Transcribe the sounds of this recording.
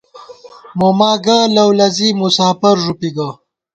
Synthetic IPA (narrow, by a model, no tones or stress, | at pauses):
momaːɡalɐwlɐzimusaːpɐɾʐupiɡɐ